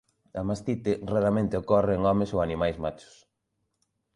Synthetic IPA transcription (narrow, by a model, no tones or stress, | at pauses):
amast̪it̪ɪraðamẽnt̪ɪokɔreŋɔmɪsoanimajzmat͡ʃʊ̥s